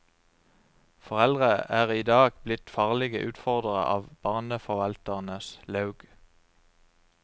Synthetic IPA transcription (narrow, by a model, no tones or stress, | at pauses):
fɔʁɛld̪ʁəʔæːʁiːd̪ɑːɡblɪt̪fɑːʁlɪɡəʔʉːt̪fɔʁd̪əʁə̰ʔɑ̰ːʋb̥ɑːʁnəfɔʋɑlt̪əʁnəslɑʉɡ̥